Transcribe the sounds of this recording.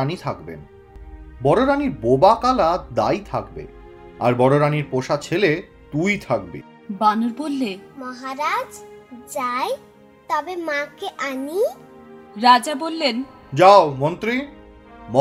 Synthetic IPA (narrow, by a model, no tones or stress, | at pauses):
anit̪ʰakbḛn | bɔɾoɾaniɾbobakalad̪a̰jt̪ʰakbḛ | a̰ɾbɔɽoɾaniɾpoʃat͡ɕʰele | t̪ujt̪ʰak̚bḛ | banoɾbolːemɔɦaɾad͡ʑd͡ʑae | t̪ɔbemãkeʔani | ɾad͡ʑabolːen | d͡ʑaomont̪ɾi | mɔ